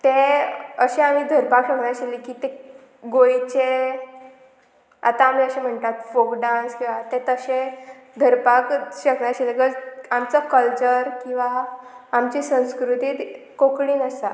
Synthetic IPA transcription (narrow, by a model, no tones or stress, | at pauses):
t̪ẽəɕeam̤id̪ʱəɾpakɕəkɳjaɕilikiːt̪e | ɡojt͡ɕe | a̰t̪aːm̤iəɕẽm̤əɳt̪at̪fokɖãnskĩw̃ʋat̪et̪əɕẽ | d̪ʱəɾpakɕəkɳjaɕileɡəd͡zamt͡səkəlt͡ɕəɾkĩw̃ʋaːmt͡ɕisə̃w̃skɾut̪iːt̪ | kokɽiːnəsa